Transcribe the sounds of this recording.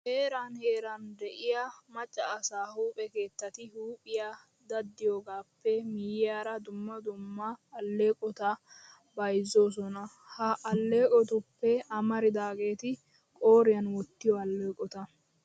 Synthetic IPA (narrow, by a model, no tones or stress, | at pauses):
he̞ːɾanhe̞ːɾɐnd̪ɛʔɪjamɐt͡ʃʼːɐːsaːhuːpʼɛke̞ːt̪ːɐt̪ɪhuːpʼɪja | d̪ɐd̪ːɪjoːɡaːpːɛmɪjɪjaːɾɐd̪ʊmːɐd̪ʊmːɐːlːe̞ːkʼɔt̪ɐ | bɐjzo̞ːs̬ɔnɐ | hɐʔɐlːe̞ːkʼɔt̪ʊpːɛɐmɐɾɪd̪aːɡe̞ːt̪ɪ | kʼo̞ːɾɪjɐnwɔt̪ːɪjɔɐlːeːkʼɔt̪ɐ